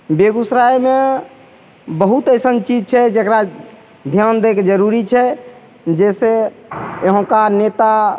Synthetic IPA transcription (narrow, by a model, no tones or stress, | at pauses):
beɡusɾajme | bəɦut̪əɪsənt͡ʃid͡ʒt͡ʃʰɛd͡ʒekɾa | d̪ʱjand̪eked͡ʒəɾuɾit͡ʃʰɛ | d͡ʒɛse | eɦõkanet̪a